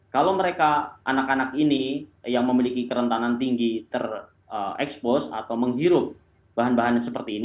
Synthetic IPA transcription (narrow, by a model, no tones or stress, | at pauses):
kalawməɾekaʔa̰nakanakinijaŋməmilikikəɾənt̪anant̪iŋɡit̪ər | əɛkspɔsa̰t̪awməŋɦiɾʊp̚ | b̥aɦanbaɦanasəpərt̪iːni